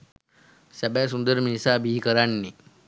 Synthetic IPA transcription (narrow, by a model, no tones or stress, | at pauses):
sabas̬und̪əɾminisabʱiːkəɾanːi